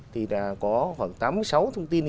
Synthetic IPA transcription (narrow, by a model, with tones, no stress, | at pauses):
t̪ʰi˨˩ɗa̰ː˨˧˥kɔ˨˦xwaː˨˩ŋt̪aː˨˦m˨˦jsa˨˦wt̪ʰə˧wŋ͡mt̪i˧ən